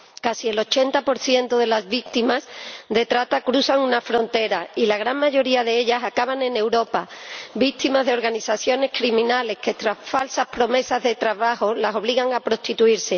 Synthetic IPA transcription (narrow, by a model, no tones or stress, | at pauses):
kasie̞lo̞t͡ʃe̞nt̪apo̞ɾθje̞nt̪oðe̞lazβik̚t̪imazd̪e̞t̪ɾat̪akɾuθaŋũnafɾo̞nt̪e̞ɾailaɣ̞ɾaŋmaʝo̞ɾiaðe̞e̞ʎasakaβanẽ̞ne̞wɾo̞pabik̚t̪imazðe̞o̞ɾɣaniθaθjo̞ne̞skɾimĩnale̞hke̞t̪ɾasfalsaspɾo̞me̞sazðe̞t̪ɾaβaxo̞laso̞βliɣaŋapɾo̞st̪it̪uiɾse̞